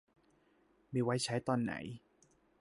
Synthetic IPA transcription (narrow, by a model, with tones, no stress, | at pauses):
miː˧wa˦˥jt͡ɕʰa˦˥jt̪ɔː˧nːa̰˩˦j